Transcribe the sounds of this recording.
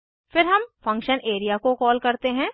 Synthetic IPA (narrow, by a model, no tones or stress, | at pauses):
fɪɾɦɐmfɐ̃ŋkʃəneːɾijakokɔːlkɐɾt̪eɦɛ̃ː